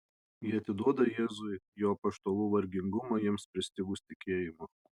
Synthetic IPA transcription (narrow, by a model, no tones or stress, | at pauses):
jɪɐt̪ʲɪd̪uɔd̪ɐjeːzʊɪjoːpɐʃt̪olˠuːʋɐɾʲɡʲɪŋɡʊmɐjiɛmspʲɾʲɪsʲt̪ʲɪɡʊsʲt̪ʲɪkʲeːjɪmɐ